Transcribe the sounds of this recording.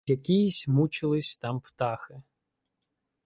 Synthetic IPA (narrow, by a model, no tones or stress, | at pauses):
jɐkʲijisʲmut͡ʃɪlˠɪsʲt̪ɑmpt̪ɑxɪ